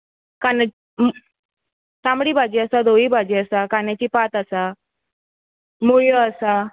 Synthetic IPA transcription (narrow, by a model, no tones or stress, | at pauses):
kana | m | sãmbɽiːbʱad͡ʑiːəsad̪oiːbʱad͡ʑiːəsakanjat͡ɕiːpat̪asa | muɭjɔəsa